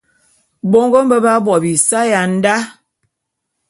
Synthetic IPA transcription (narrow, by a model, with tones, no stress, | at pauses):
bo˦ŋɡo˦m̩˦bə˦ba˦bɔ˨bi˨sa˦ja˨n̩˦da˦